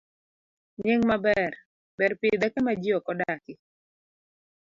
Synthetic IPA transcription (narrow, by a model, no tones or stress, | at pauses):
ɲeŋmabɛr | bɛrpid̪akɛmad͡ʒiɔkɔdakɪ